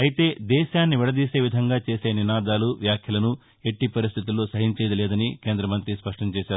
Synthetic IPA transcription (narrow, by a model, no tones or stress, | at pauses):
ɐjit̪e̞ːd̪ɛːʃaːnːiʋɛɽɐd̪iːse̞ːʋid̪ʱɐŋɡaːt͡ʃe̞ːse̞ːninaːd̪aːluʋjaːkʰjɐlɐnu | e̞ʈːipɐɾist̪ʰit̪ulːo̞ːsɐɦiɲt͡ʃeːd̪ɐlɛːd̪ɐnike̞ːnd̪ɾɐmɐnt̪ɾispɐʂʈɐɲt͡ʃeːʃaːɾu